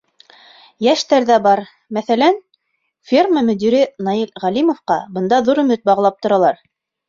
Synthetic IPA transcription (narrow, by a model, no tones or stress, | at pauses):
jæʃt̪æɾðæbɑɾ | mæθælæn | fʲirməmɵ̆d̪iɾɘnɑilʁælimŏfqɑ̰bɤ̆nd̪ɑðuɾɵ̆mɵt̪̚bɑʁɤ̆lˠɑp̚t̪ŏɾɑlˠɑɾ